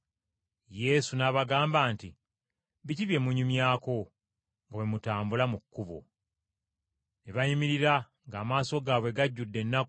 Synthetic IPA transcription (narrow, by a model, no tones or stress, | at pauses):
je̞sunaβaɡaːmbaːnti | βiciβje̞muɲumjaːko̞ | ŋɡawe̞mutaːmbulamukːuβo̰ | neβajimiɾiɾa | ŋɡaːmaːso̞ɡaβwe̞ɡaɟːudːe̞nːak